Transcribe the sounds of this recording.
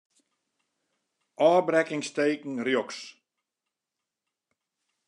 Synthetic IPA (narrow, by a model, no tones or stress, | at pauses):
ʔɔːbɾɛkɪŋsteːkn̩rjoks